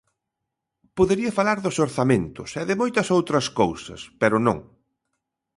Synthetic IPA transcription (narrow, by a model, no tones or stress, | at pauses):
poðeɾiɐfalaɾðʊsoɾθamẽnt̪ʊsɛðɪmojt̪ɐsowt̪ɾɐskowsɐ̰spɛɾʊnõ̰ŋ